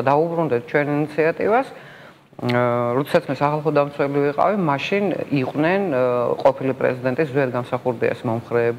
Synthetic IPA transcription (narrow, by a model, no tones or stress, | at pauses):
d̪aubɾund̪ɛt̪̚ʰt͡ʃʰwɛninit̪sʰiat̪ʼivas | ɾɔd̪ɛ̥sat̪sʰmɛsaχalˠχɔd̪amt̪sʰwɛliviqʼa̰vimaʃiniqʼwnɛnqʼɔpʰilipʼɾɛ̰zid̪ɛnt̪ʼiszɛɾɡamsaχuɾd̪iɛ̰smɔmχɾɛːb